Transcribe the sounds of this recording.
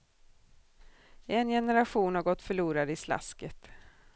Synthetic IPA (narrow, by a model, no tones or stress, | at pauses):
ɛnjɛnəɾaɧuːnhaɾɡɔt̪ːfœɭuːɾad̪ɪsla̰skət̪